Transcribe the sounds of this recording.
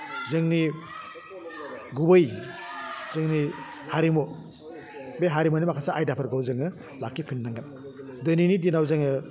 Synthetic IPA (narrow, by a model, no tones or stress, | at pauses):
zɯŋni | ɡubɯj | zɯŋni | haɾimo | beɦaɾimɔnimakʰasaʔajdapʰɯɾɡawzɯŋɯ | lakːipʰinːaŋɡɯn | dɯninidinawzɯŋɯ